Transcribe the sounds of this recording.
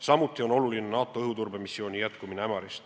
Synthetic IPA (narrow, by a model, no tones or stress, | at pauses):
sɑmut̪ːˑio̞no̞lulinenɑːt̪ːˑo̞eɦut̪urbe̞misːio̞ːnʲijæt̪kumineæmɑɾist̪